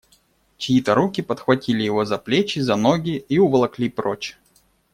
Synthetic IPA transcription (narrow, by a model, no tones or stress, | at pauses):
t͡ɕɪjit̪əɾukʲɪpət̪xvɐtʲilʲɪjɪvozɐplʲet͡ɕɪzɐnoɡʲɪiʊvɐlˠɐklʲipɾot͡ɕɪ̥